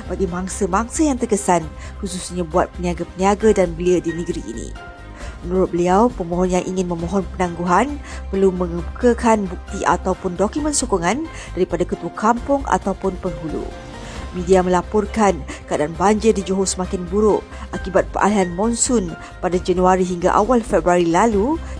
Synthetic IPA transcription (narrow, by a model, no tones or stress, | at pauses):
baɡimaŋsəmaŋsəjaŋt̪ərkəsan | kususɲabuat̪̚pəniaɡapəniaɡadanbəliədinəɡəɾiʔːnḭ | mənuɾʊt̪̚bəliawpəmõɦɔnjaŋʔiŋɪnmə̃mõɦɔnpənãŋɡuɦanpərluməŋəbukakanbuk̚t̪iʔa̰t̪awpʊndokumə̃nsokɔŋan | d̥aɾipadakət̪uakʰampʊŋʔa̰t̪awpʊnpəŋɦulṵ | mĩdiamə̃lapʊrkankəadaanbaɲd͡ʒɪrdid͡ʒoɦosəmakɪnbuɾʊʔ | ʔakibat̪̚pərʔa̰liɦanmɔ̃nsʊn | padad͡ʒanuaɾiɦiŋɡa̰ʔa̰walfɛbɾuaɾilalu